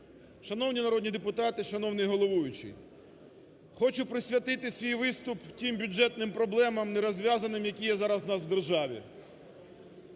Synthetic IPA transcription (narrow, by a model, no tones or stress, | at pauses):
ʃɐn̪ɔwnʲinɐɾɔdʲnʲid̪epʊt̪ɑt̪ɪʃɐnɔwnɪjɦɔlˠɔʋujʊt͡ʃɪ̰ | xɔt͡ʃʊpɾɪsʲʋʲɐt̪ɪt̪ɪsʲʋʲijʋɪst̪ʊptʲimbʲʊd͡ʒɛt̪̚nɪmpɾɔblˠɛmɐmnɛɾɔzʲʋʲjazɐnɪmjɐkʲijɛzɑɾɐznɑswd̪erʒɑʋʲḭ